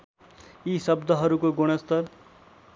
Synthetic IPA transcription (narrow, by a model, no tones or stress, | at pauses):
isʌbd̪ʱʌɦʌɾukoɡoɽ̃ʌst̪ʌɾ